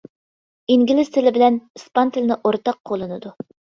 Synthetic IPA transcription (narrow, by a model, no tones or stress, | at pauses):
iŋɡʲilɪz̥t̪ʰɪlɪbɪlɛnɨspɑnt̪ʰɪlnɪʔoɾt̪ɑq̚ʰːolˠɨnɨd̪u